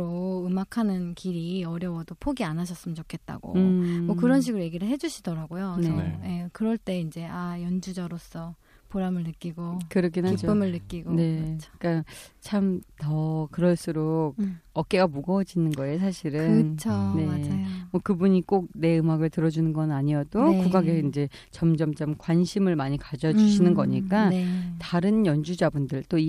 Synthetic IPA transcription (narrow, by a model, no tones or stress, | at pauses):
ɾoɯmakʰanɯnkiɾiʌɾjʌwʌdopʰoɡianaɕʰʌs͈ɯmɯnt͡ɕokʰe̞t̚t͈a̰ɡo̰ɯmwʌkɯɾʌnɕ̬ʰiɡɯɾoje̞ɡiɾɯɭɦe̞d͡ʑuɕʰidʌɾaɡojoneʌje̞kɯɾʌɭt͈e̞ind͡ʑe̞ajʌnd͡ʑud͡ʑaɾos͈ʰʌ | poɾamɯɭnɯk͈iɡokɯɾʌkʰenɦaid͡ʑopʰːɯmɯɭnɯk͈iɡone̞at͡ɕʰo̥k͈at͡ɕʰamtʌkɯɾʌɭs͈uɾok̚ʌk͈e̞ɡamuɡʌd͡ʑinɯnɡʌesʰaɕʰiɾɯnɯt͡ɕʰone̞mwʌkɯbuɲik͈ok̚ne̞ɯmaɡɯɭtɯɾʌd͡ʑunɯnɡʌnaɲijʌdokkuɡaɡeind͡ʑe̞ | t͡ɕʌmd͡ʑʌmt͡ɕamkwanɕʰimɯɭmaɲikad͡ʑʌd͡ʑuɕʰinɯnɡʌɲik͈ataɾɯnjʌnd͡ʑud͡ʑabundɯɭt͈oi